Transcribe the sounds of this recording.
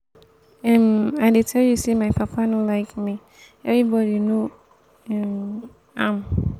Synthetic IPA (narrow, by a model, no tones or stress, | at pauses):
ɛ̃maɪdetʰɛljusimaɪpʰapʰanolaɪkmi | ɛvɹibɔɾino | ɛm | ãm